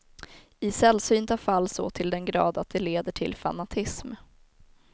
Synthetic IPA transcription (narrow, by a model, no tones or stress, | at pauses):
ɪsɛlsyːnt̪afalːsɔt̪ʰɪld̪ɛnɡɾɑ̰ːd̪at̪̚d̪ɛleːd̪əʈʰɪlfa̰nat̪ʰɪsm